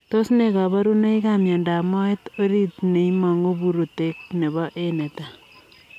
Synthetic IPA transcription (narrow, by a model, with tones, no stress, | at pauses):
t̪o˦sneka˨ba˦ɾune˦jkamja˨nda˨mɔ˦et̪o˦ɾi˦t̪ne˨jma˨ŋu˦buɾu˨te˦k̚ne˨bɔ˦ʔene˨t̪a˨